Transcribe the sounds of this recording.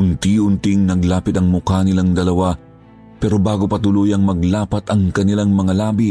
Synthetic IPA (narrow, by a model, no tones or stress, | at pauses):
ʊnt̪iʊnt̪iŋnɐɡlaːpɪt̪ɐŋmʊkanɪlaŋd̪ɐlɐwa | pɛːɾobaːɡopɐt̪ʊluːjɐŋmɐɡlaːpɐt̪ɐŋkɐnɪlaŋmɐŋalaːbi